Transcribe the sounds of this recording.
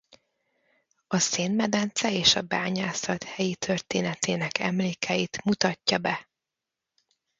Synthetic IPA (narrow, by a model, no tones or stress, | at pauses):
ɒseːnmɛd̪ɛnt̪sɛeːʃɒbaːɲaːsɒt̪hɛjit̪ʰørt̪eːnɛt̪eːnɛkɛ̰mleːkʰɛjit̪mut̪ɒcːɒbɛ